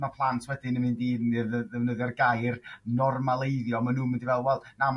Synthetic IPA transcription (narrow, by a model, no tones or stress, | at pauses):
mapʰlˠantʰwɛdɪnəmɨndiːɨðəðəvnəðɛrɡajrnɔrmalˠejðjɔmanuːmɪndivɛlˠwɛlˠnam